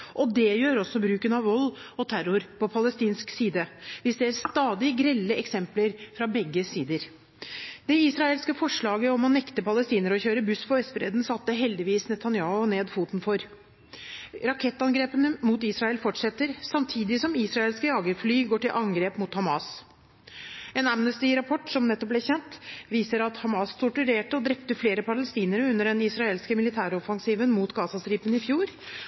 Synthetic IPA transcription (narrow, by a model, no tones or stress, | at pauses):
ʔɔd̪ɛjøːɾɔsːɔbɾʉːkənɑʋʋɔlːɔt̪ʰæɾʊɾpʰɔpʰɑləst̪iːnsksiːd̪əʋɪsd̪ɛæɾst̪ɑːd̪ɪɡɾɛlːəʔɛksɛmpləɾfɾɑbɛɡːəsiːd̪əɾ | d̪̥ɛisɾɑelskəfɔʂɭɑːɡəɔmɔnɛkt̪əpʰɑləst̪iːnəɾɔçøːɾəbʉspʰɔʋɛsfɾḛːd̪n̩sɑt̪ːəɦɛld̪ɪʋiːsnɛt̪ʰɑnjɑːʊneːd̪fuːt̪n̩fɔɾ | ɾɑkʰɛt̪ːɑnɡɾeːpənəmuːt̪iːsɾɑɛlfɔʈʂɛt̪ːəɾsɑmt̪ʰiːd̪ɪsɔmiːsɾɑeːlskəjɑːɡəɾflyːɡoːʈɪlʔɑŋɡɾeːpmuːt̪hɑmɑːs | ɛnæmnəst̪ɪɾɑpʰɔʈːsɔmnɛt̪ːɔp̚b̪ɛçɛnt̪ʋiːsəɾɑt̪hɑmɑːst̪ʰʊʈʉɾeːʈəɔd̪ɾɛpt̪əfleːɾəpʰɑləst̪iːnəɾəʉnːəɖɛnɪsɾɑeːlskəmɪlɪt̪ʰæːɾɔfɑŋsiːʋənmuːt̪ɡɑːsɑsɾiːpənɪfjuːɾ